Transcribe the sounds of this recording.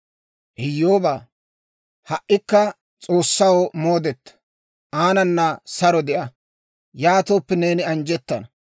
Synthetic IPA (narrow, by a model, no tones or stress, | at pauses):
ʔɪjːoːbaː | hɐʔːɪkːɐ | t͡sʼo̞ːsːɐwomo̞ːd̪ɛt̪ːɐ̥ | ʔaːnɐnːɐsɐɾɔd̪ɛʔɐ | jaːt̪oːpːɛne̞ːnɪɐnd͡ʒɛt̪ːɐnɐ